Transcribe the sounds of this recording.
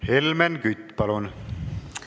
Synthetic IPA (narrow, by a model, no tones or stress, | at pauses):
helmenkyt̪ːpɑlun